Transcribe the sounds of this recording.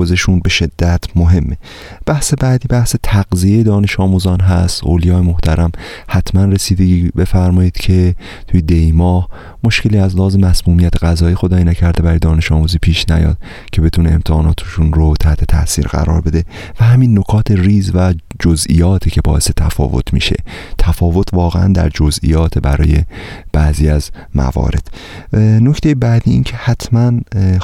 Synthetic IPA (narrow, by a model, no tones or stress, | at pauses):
ozeʃunbe̞ʃe̞d̪̥ːæt̪ʰmoɦe̞mːe | b̥æhse̞bæːd̪iːbæhse̞t̪ʰæɡzijejed̪ɒːne̞ʃɒːmuːzɒːnɦæst̪ʔoːlijɒːjemoht̪ʰæɾæm | hæt̪ʰmænre̞siːd̪e̞ɟiːbe̞fæɾmɒːjiːd̪̥cʰe̞ | t̪ʰujed̪ejmɒːh | mo̞ʃkce̞liːæzlæhɒːze̞mæsmuːmijæt̪ʰeɣæzɒːjiːxod̪ɒːjinæcʰæɾd̪eæɾjd̪ɒːne̞ʃɒːmuːziːpʰiːʃnæ̰jɒ̰ːd̪̥ | cʰe̞be̞t̪ʰuːneemt̪ʰeɒːnɒːt̪ʰoʃunɾot̪ʰæht̪ʰe̞t̪ʰæ̰ʔsiːɾɡæ̰ɾɒ̰ːɾbe̞d̪e̞ | væhæminːo̞kʰɒːt̪ʰe̞riːzvæd͡ʒozḭjɒːt̪ʰiːcʰe̞bɒ̰ːʔe̞se̞t̪ʰæfɒ̰ːvo̞̰t̪ʰmḭːʃe̞̰t̪ʰæfɒːvo̞t̪ʰvɒːɣḛæ̰nd̪æ̰ɾd͡ʒozʔḭjɒːt̪ʰebæ̰ɾɒ̰ːje̞b̥æziːæz | mæ̰vɒ̰ːɾe̞d̪̥ | noct̪e̞jebæd̪iiːncʰe̞hæt̪ʰmæn